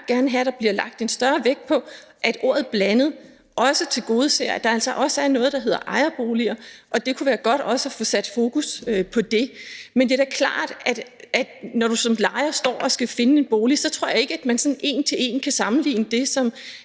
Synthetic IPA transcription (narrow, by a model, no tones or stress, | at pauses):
ɡ̥æɐnəɦæɾ̥ɑ̈b̥liɐlɑ̈ɡ̥̚d̥e̝nsd̥ɶɐʋeɡ̥̚pʰɒ̽ | ʔæd̥ʔo̝ɐ̰ð̩ˠb̥lænð̩ˠ | ʔɒ̽sət͡sʰe̝lɡ̥o̝ːð̞̩ˠseɐ̰æd̥ɑ̈æl̰sɒ̽ʔɒ̽səæɐnɔ̽ːð̞̩ˠd̥ɑ̈ɦe̝ð̰ˠɐ̰ʔɑ̈ɪɐb̥o̝ːliɐʔɒ̽d̥e̝kʰuʋæːɐɡ̥ɒ̽ɾ̥ɒ̽səæfɔ̽sæd̥fo̝ːkʰusøpʰɒ̽d̥e̝mend̥e̝dæɐkʰlɑ̰̈ːd̥æd̥ʔæd̥nɒɾ̥usɒ̽mlɑ̈ɪɐsd̥ɒ̰ːɒ̽sɡ̥æfe̝nəe̝nb̥o̝ːlisɒ̽t͡sʰʁɔ̝ɐ̰jɑ̈e̝ɡ̥əæd̥mænsɒ̽nʔe̝̰ːnt͡sʰe̝le̝̰ːnkʰæsɑ̈mn̩lḭːnəd̥e̝sɒ̽m